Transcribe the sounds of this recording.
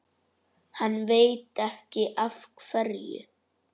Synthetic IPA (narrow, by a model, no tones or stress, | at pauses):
hanːveːjt̪ɛhcɪʔafkfɛɾjʏ̰